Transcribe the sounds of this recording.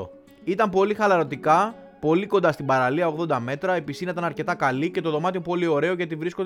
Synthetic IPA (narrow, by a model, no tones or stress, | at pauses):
o̰ | it̪ɐmpo̞lixɐlɐɾo̞t̪ikɐ | po̞liko̞nd̪ɐst̪ibɐɾɐliɐoɣðo̞nd̪ɐme̞t̪ɾɐe̞pisinɐit̪ɐnɐɾce̞t̪ɐkɐlice̞t̪o̞ðo̞mɐt̪io̞po̞lio̞ɾe̞o̞cet̪ivɾiskod̪